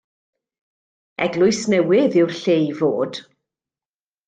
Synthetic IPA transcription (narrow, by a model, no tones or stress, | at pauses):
ɛɡlˠʊɨsnɛwɪðɪwrɬejvoːd̥